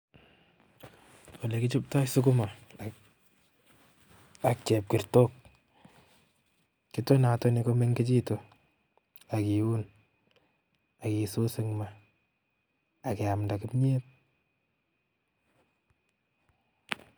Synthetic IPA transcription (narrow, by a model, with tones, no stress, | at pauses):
wo˨le˨kɪ˦t͡ʃu˦p̚ta˦sʊ˦k̬ʊ˦ma˨ | a˨k̚t͡ʃɛ˨p̚ki˨ɾto˦k̚ | ki˦to˦na˨to˦ni˨ko˦me˦ŋke˦t͡ʃi˦to˨ | a˨ki˨u˦n | a˨ki˨so˦se˦ŋma˨ | kɪ˨a˨mnda˨kɪ˦pɲe˦t̚